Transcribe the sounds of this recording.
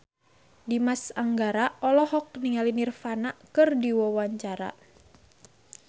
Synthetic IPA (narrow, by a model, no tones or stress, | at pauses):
dimasaŋɡaɾaɔlɔhɔk̚niŋalinirfanakɨrdiwɔwaɲt͡ʃaɾa̰